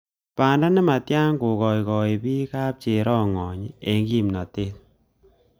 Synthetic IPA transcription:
paː˨nda˦nɪ˦ma˨tja˦ŋko˨kɔ˨i˨kɔ˨i˨pi˦ka˦p̚t͡ʃe˨ɾɔ˦ŋɔ˨ɲ˦e˨ŋɡi˦mna˨te˦t̚

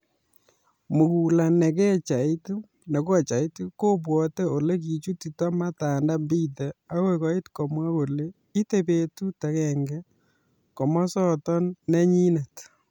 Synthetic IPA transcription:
mu˨ku˨la˨nɛ˨k̬ɛ˦t͡ʃa˨i˦tu˦ | ne˨ko˦˨t͡ʃa˨i˦tu˦ko˦p̬wɔ˨tɛ˦o˨le˦k̬i˨t͡ʃu˦ti˨tɔ˦ma˦ta˨nda˦mbi˦tɛ˨a˦we˦kɔ˨i˦tkɔ˨mwa˦ko˨le˦ | i˦te˦pe˦tu˦ta˨kɛ˨ŋɡɛ˦ | kɔ˨mɔ˦sɔ˦tɔ˦nːɛ˦ɲi˦nɛ˨t

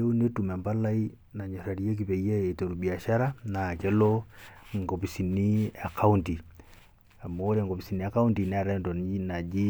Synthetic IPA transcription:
e˦u˦ne˦tu˨mɛ˨mba˦la˦i˦ | na˨ɲo˨ɾa˨ɾje˦k̬i˨pe˨ja˦e˨to˨ɾu˨bi˨a˨ʃa˦ɾa˦na˨ke˦lo˦ŋɡo˨pi˨si˨ni˦a˨kʰa˦u˦nti˨ | a˨moː˦ɾe˨ŋɡo˨pi˨si˨ni˦a˦ka˦u˦nti˨n˨˦ɾa˦ndo˨nna˨d͡ʒi˦

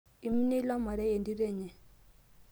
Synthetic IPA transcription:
i˨mi˦nɛ˦i˦la˦ma˨ɾɛ˦je˨ndi˦ɾɛː˦˨ɲɛ˨

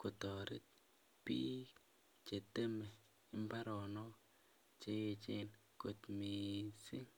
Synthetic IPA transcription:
ko˨tɔ˨ɾɪ̰˦t̚ | piː˦ | t͡ʃe˨te˦me˨ | ɪ˦mba˦ɾɔ˨nɔ˦ | t͡ʃe˦e˧t͡ʃe˦n | ko˨tmi˨si˦ŋ

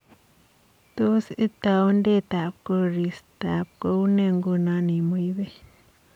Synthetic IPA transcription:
t̪u˦si˦t̪a˧wnd̪e˦t̪a˨pko˧ɾi˨st̪a˨p̚ko˧˦wne˧ŋɡu˧nã˧ni˨mu˧jbe˦

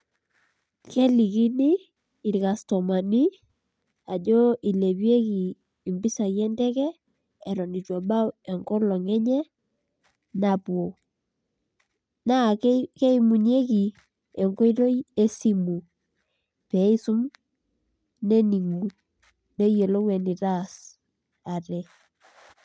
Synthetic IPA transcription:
kʰɛ˦li˨ki˦niː˦˨ | ɾi˨ka˨stɔ˨ma˨ni˦ | a˨d͡ʒɔ˦i˨le˨βje˦kiː˨ | mbi˦sa˨jɛ˦ntɛ˦kɛː˦˨ | ɾɔ˨ni˨t͡ʃɔ˨ba˦wɛ˨ŋkɔ˦lɔ˨ŋɛ˦ɲɛ˦ | na˨pwo˨ | na˦˨kke˦ɪ˦mu˨ɲ˦e˦ki˨ | ɛ˨ŋɡo˦i˦ɾo˦ie˦si˦mu˨ | pɛ˨˦ɪ˦sʊ˦m | ne˦ni˨ŋu˨ | ne˦je˨lo˦ŋwɛ˨ni˨ɾa˦s | a˨ɾɛ˨

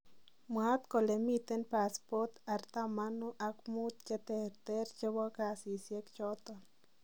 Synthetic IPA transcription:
mwa˦t̪ko˨le˨mi˧t̪e˦npa˨˧spo˦t̪a˧ɾt̪a˦ma˦no˦ʔa˧kmu˦t̪̚t͡ʃe˦˧t̪e˧ɾt̪e˦ɾt͡ʃe˧wa˦ka˧si˨sje˦kt͡ʃo˦t̪o˧n

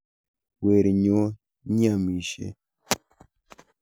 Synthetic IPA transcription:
we˨ɾi˨ɲo˦ | ɲ˦a˦˨mi˨ʃḛ˨

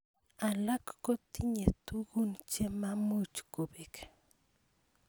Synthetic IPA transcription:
a˨la˦kko˦t̪i˦ɲe˨t̪u˦ɣu˦nt͡ʃe˦ma˦mu˦t͡ʃku˨bi˨k

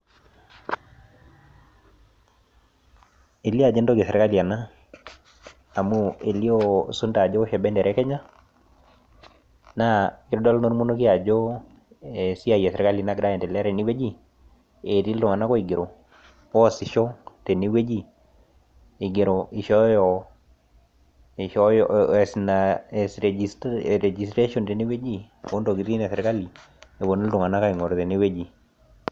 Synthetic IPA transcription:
e˨li˦a˨d͡ʒɛ˦ndo˦ke˨sɛ˨ɾka˦li˨a˨na˦˨ | mu˦e˨li˦o˦su˦nda˨d͡ʒo˦ʃɛ˨bɛ˦ndɛ˨ɾɛ˨˦kɛ˦ɲa˦ | na˦kɪ˦ɾdɔ˦lno˦ɾmu˦no˦ki˦a˨d͡ʒo˦ | e˨si˦a˦˨jɛ˨sɛ˨ɾka˦li˨na˦ɡɾa˦jɛ˨ntɛ˨lɛ˦ɾɛ˨ni˦we˦d͡ʒi˦ | e˨ti˦ltʊ˨ŋa˨na˦kɔ˦i˨ɡɪ˨ɾo˨ | ɔ˦sɪ˨ʃɔ˦te˨ni˦we˦d͡ʒi˦ | ɪ˨ɡɪ˨ɾo˨ɪ˨ʃɔ˦jɔ˨ | ɔjɛ˨snasɛisɾɛ˨d͡ʒistɾe˦ʃɔ˨nte˨ni˦we˦d͡ʒi˦ | o˦ndo˨ki˨ti˦nɛ˨sɛ˨ɾka˦li˨ | e˨bo˨ni˦ltʊ˨ŋa˨na˦ka˦i˨ŋɔ˨ɾtɛ˨ni˦we˦d͡ʒi˨

